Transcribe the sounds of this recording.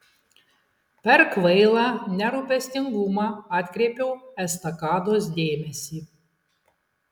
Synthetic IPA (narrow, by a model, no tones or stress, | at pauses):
pʲɛɾkʋɛɪlˠɑːnʲɛɾupʲɛsʲt̪ʲɪŋɡumɑɑːt̪ʲkʲɾʲeːpʲɛwɛst̪ɐkɑːd̪oːsd̪ʲeːmʲɛsʲiː